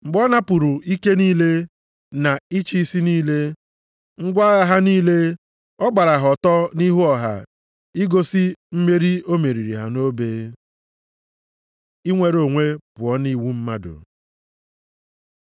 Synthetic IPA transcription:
ŋ͡m̩˨ɡ͡bɔ˦na˦pʊ˨ɾu˨i˦ke˦niː˦le˦ | na˨i˦t͡ʃi˦si˦niː˦le˦ | ŋ̩˦ɡʷa˦ɣa˦ɦa˦niː˦le˦ | ɔ˦ɡ͡ba˨ɾa˨ɦɔ˨tɔ˦ni˦ɦu˦ɔ˨ɦa̰˨ | i˦ɡo˦si˦m̩˦me˦ɾi˦o˦me˨ɾi˨ɾi˨ɦa̰˨no˦beː˦ | i˦ŋʷe˨ɾo˨ŋʷe˦pʊ˨ɔ˦ni˦˨wu˦m̩˦ma˦dʊ̰˨

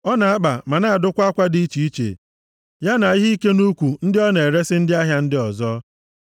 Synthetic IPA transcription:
ɔ˦na˨a˦k͡pa˨ma˨na˨a˨dʊ˦kʷa˦kʷa˦di˦i˦t͡ʃi˨i˦t͡ʃḛ˨ | ja˦na˨i˦ɦi˦ke˦nu˦kʷu˨n̩˦dɪ˦ɔ˦ne˨ɾe˦sɪ˦n̩˦dɪ˦a˦ɦja˦n̩˦dɪ˦ɔ˨zɔ˦

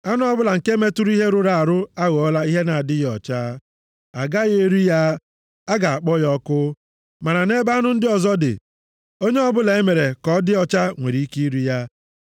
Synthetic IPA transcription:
a˦nʊ˦ɔ˦bʊ˦la˨ŋ̩˨ke˦me˦tu˦ɾu˦i˦ɦe˦ɾʊ˨ɾa˨a˨ɾʊ˦a˦ɣɔ˦la˦i˦ɦe˦na˨a˨dɪ˦ɣɔ˨t͡ʃa˦ | a˨ɡa˦ɣe˦ɾu˦ja˦ | a˦ɡa˨a˨k͡pɔ˦jɔ˦kʊ˦ | ma˨ɾa˨ne˦ba˦nʊ˦n̩˦dɪ˦ɔ˨zɔ˦dɪ̰˨ | o˦ɲe˦ɔ˦bʊ˦la˨e˦me˨ɾe˨kɔ˦dɪ˦ɔ˨t͡ʃa˦ŋʷe˨ɾi˨i˦ki˦i˦ɾu˦ja˦

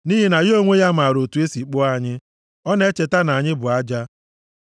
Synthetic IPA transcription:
ni˦ɦɪ˨na˨jo˦ŋʷe˦ja˦m̩a˨ɾo˨tu˨e˦si˨k͡pʊ˦a˦˨ɲɪ˦ | ɔ˦ne˦t͡ʃe˨ta˦na˨ɲɪ˦bʊ˨a˦d͡ʒa˦

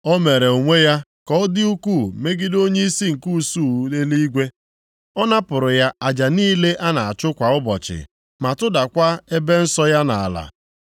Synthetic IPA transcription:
ɔ˦me˨ɾe˨o˨ŋʷe˦ja˦kɔ˦dɪ˦u˦ku˦˨me˦ɡɪ˦do˦ɲe˦i˦si˦ŋ̩˨ku˦˨suː˦˨˦e˦li˦ɡʷe˦ | ɔ˦na˦pʊ˨ɾʊ˨ja˦a˨d͡ʒa˨niː˦le˦ʔa˦na˨a˨t͡ʃʊ˦kʷa˨ʊ˦bɔ˨t͡ʃɪ̰˨ | ma˨tʊ˦da˨kʷa˦e˦be˦n̩˦sɔ˦ja˦na˨a˨la̰˨

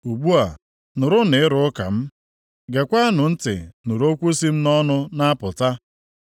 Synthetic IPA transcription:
u˨ɡ͡bu˦a˨ | nʊ˨ɾʊ˦nɪ˨ɪ˦ɾʊ˦ka̰˨m̩˦ | ɡe˨kʷa˦nʊ˨n̩˦tɪ̰˨nʊ˨ɾo˦kʷu˦si˦m̩˦nɔ˦nʊ˦na˦a˦pʊ˨ta˦

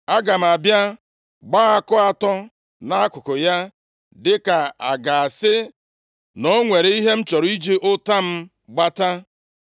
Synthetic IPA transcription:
a˦ɡa˨m̩˨a˨bja˦ | ɡ͡baː˦a˦kʊ˦a˦tɔ˦ | na˦a˦kʊ˨kʊ˨ja˦ | dɪ˦ka˨a˨ɡa˨a˨sɪ˦ | nɔ˦ŋʷe˨ɾe˨i˦ɦe˦m̩˦t͡ʃɔ˨ɾi˦d͡ʒi˦ʔʊ˦ta˦m̩˦ | ɡ͡ba˦ta˦

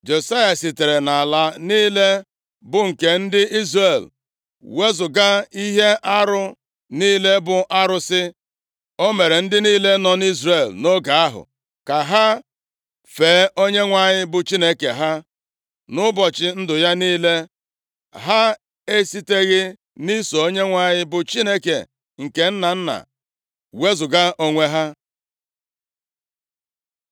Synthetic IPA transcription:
d͡ʒe˨sa˦ja˨si˨te˨ɾe˨na˨la˨niː˦le˦ | bʊ˨ŋ̩˨ke˨n̩˦dɪ˦i˦zre˨l | we˦zʊ˨ɡa˦i˦ɦe˦ʔa˦ɾʊ˦ | niː˦le˦bʊ˨ʔa˦ɾʊ˦sɪ˦ | o˦me˨ɾe˨n̩˦dɪ˦niː˦le˦nɔ˨n˦i˦zre˨lno˦ɡa˨a˦ɦʊ̰˨ | ka˨ɦa˦ | feː˨˦o˦ɲe˦ŋʷa˨ɲɪ˦bʊ˨t͡ʃi˦ne˦ke˨ɦa˦ | nʊ˦bɔ˨t͡ʃɪ˨n̩˦dʊ˨ja˦niː˦le˦ | ɦa˦ | e˦si˦te˦ɣɪ˦ | ni˦so˨o˦ɲe˦ŋʷa˨ɲɪ˦bʊ˨t͡ʃi˦ne˦kḛ˨ | ŋ̩˨ke˨n̩˦na˨n̩˦na̰˨ | we˦zʊ˨ɡa˦ʔo˦ŋʷe˦ɦa˦

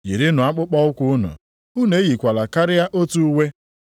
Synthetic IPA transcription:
jḭ˨ɾɪ˦nʊ˨a˦k͡pʊ˦k͡pɔ˦ʊ˦kʷʊ˦ʊ˦nʊ̰˨ | u˦ne˨˦ɣi˨kʷa˨la˨ka˦ɾɪ˦ja˦ʔo˦tu˦we˦

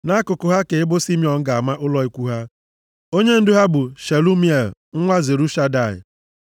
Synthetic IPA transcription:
na˦kʊ˨kʊ˨ɦa˦ke˨ɪ˦bʊ˦si˦mjɔ˨ŋ̩˦ɡa˨a˨ma˦ʔʊ˦lɔ˦i˦kʷu˦ɦa˦ | o˦ɲe˦n̩˦dʊ˦ɦa˦bʊ˨ʃe˨lu˦mi˦e˦˨lŋ̩˦ŋʷa˦ze˨ɾu˦ʃa˦da˦˨ɪ̰˨

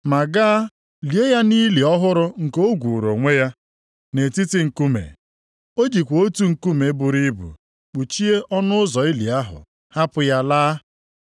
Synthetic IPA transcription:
ma˨ɡa˦ | li˨e˦ja˦ni˦li˨ɔ˦ɦʊ˦ɾʊ˦ŋ̩˨ko˦ɡʷu˨ɾo̰˨ŋʷe˦ja˦ | ne˨ti˦ti˦ŋ̩˨ku˦mḛ˨ | o˦d͡ʒi˨kʷo˦tu˦ŋ̩˨ku˦me˨˦bʊ˨ɾi˦bṵ˨ | k͡pu˨t͡ʃi˦e˦ʔɔ˦nʊ˦ʊ˦zɔ˨i˦lḭ˨a˦ɦʊ̰˨ | ha˦pʊ˦ja˦laː˦

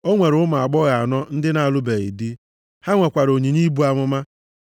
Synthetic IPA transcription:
o˦ŋʷe˨ɾʊ˦ma˨a˨ɡ͡bɔ˦ɣa˨a˨nɔ˦n̩˦dɪ˦na˨lʊ˦be˨ɣḭ˨di˦ | ha˦ŋʷe˨kʷa˨ɾo˨ɲi˨ɲi˦bu˨˦a˨ŋʷʊ˦ma˦

